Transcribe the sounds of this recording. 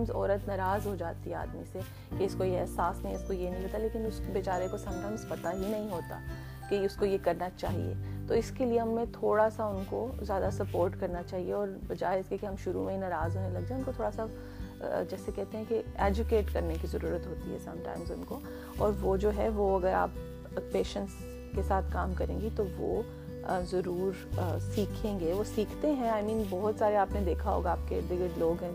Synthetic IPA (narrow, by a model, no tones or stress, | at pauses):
mzɔ̰ːɾət̪nɐɾaːzɦod͡ʒaːt̪iɦɛa̰ːd̪mise | keɪskojeɛɦsaːsnɐɦĩɪskojenɐɦĩɦoːt̪aleːkɪnʊsbeːt͡ʃaːɾekosɐ̃ŋʈəmspɐt̪aɦinɐɦĩɦoːt̪a̰ː | keʊskojekɐɾnat͡ʃa̰ːɦḭḛːt̪oɪskelieɦɐmːẽt̪ʰoːɽasaʊnkozjaːd̪asɐpoːɾʈkɐɾnat͡ʃaːɦieɔːɾɐd͡ʒaːɦeskekeɦɐmʃʊɾumẽɦinɐɾaːzɦonẽlɐɡ̚d͡ʒaːeʊnkot̪ʰoːɽasa | d͡ʒɛːsekɛɦt̪ẽɦɛ̃kieːd͡ʒʊkeːʈkɐɾnekizɐɾuːɾət̪ɦoːt̪ḭɦɛ̰sɐ̰̃mʈã̰ːɪmzʊ̰nko | ɔːɾʋod͡ʒoːɦɛʋoɐɡəɾa̰ːp | peːʃə̃ɳʈs | kesaːt̪ʰkaːmkɐɾẽːɡit̪oʋo̰ | zɐɾuːɾsiːkʰẽːŋɡeʋosiːkʰt̪eɦɛ̃aːɪmĩːnbɔɦʊt̪saːɾeaːpned̪eːkʰaɦo̰ːɡaaːp̚keɖɪɡəɖloːɡɦɛ̃ː